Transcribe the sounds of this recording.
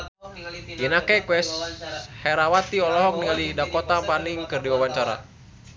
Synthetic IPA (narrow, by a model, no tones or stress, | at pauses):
inakɛkwɛshɛɾawat̪iɔlɔɦɔk̚niŋalidakɔt̪apaniŋkɨrdiwawaɲt͡ʃaɾa̰